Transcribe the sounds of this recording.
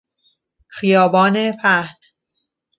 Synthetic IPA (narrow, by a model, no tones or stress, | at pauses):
xijɒːbɒːnepʰæhn